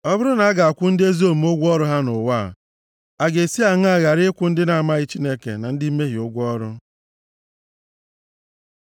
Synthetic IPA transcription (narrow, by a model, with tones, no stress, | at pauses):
ɔ˦bʊ˦ɾʊ˦na˨a˦ɡa˨a˨kʷʊ˦n̩˦dɪ˦e˦zo˦˨m˦o˦ɡʷɔ˦ɾʊ˦ɦa˦nʊ˨wa˦˨ | a˨ɡe˨si˦a˨ŋ˦a˦ɣa˨ɾɪ˦kʷʊ˦n̩˦dɪ˦na˨a˨ma˦ɣɪ˦t͡ʃi˦ne˦kḛ˨na˨n̩˦dɪ˦i˦me˦ɦi˨ʊ˦ɡʷʊ˦ɔ˦ɾʊ˦